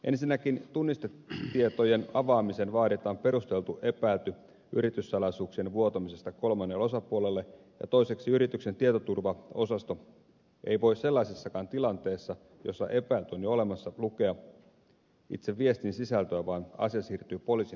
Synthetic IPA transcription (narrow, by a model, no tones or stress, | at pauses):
ʔe̞̰nsinːækint̪unːist̪et̪ːiet̪o̞je̞nɑʋɑːmisenʋɑːdit̪ːˑɑompe̞ɾust̪e̞lt̪uʔe̞pæilt̪y | ʔy̰ɾit̪ysːɑlɑjsuːksienʋuo̞t̪ɑmise̞st̪ɑko̞lmɑnːelo̞sɑpuole̞lːe | jɑ̰t̪o̞ise̞ksiyɾit̪ykse̞nt̪iet̪ot̪urʋɑo̞sɑst̪o̞ | ʔe̞̰jʋo̞isse̞lːɑisisːɑkɑːnt̪ilɑnt̪e̞ːsːɑ | jo̞̰sːɑ̰ʔe̞pæilt̪yonjoo̞le̞mɑsːɑluke̞ɑ | ḭt̪seʋːie̞st̪insisælt̪øæʋɑːnɑ̰siɑsiːrt̪yːpo̞liːsi